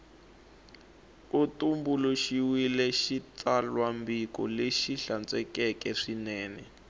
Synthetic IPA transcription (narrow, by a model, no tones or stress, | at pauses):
utumbuluʃiwilɛʃit͡salwambikɔleʃiɬant͡sʼɛkɛkɛʂinɛːnɛ